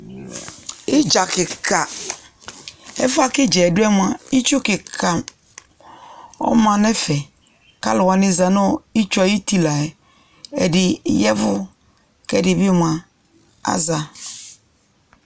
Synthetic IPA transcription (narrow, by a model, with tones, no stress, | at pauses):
ɪ˦d͡ʒa˨kɪ˨kʰa˨ | ɛ̰˦fa˦kɪ˦d͡ʒɛ˨dʊ˦ɛ˦m˨˦a˨i˦t͡ʃu˦kɪ˨kʰa˨ | ɔ̰˦mã˨nɛ˦fɛ˨ | ka̰˦lʊ˨wa˨nɪ̃˦za˨nɔ̃˦i˦t͡ʃɔ˨ji˦ti˦la˨ɛ˨ | ɛ̰˨dɪ˨˦jɛ˦vʊ˦ | kɛ˦˨dɪ˨bɪ˦m˨ã˨ | a̰˦za˨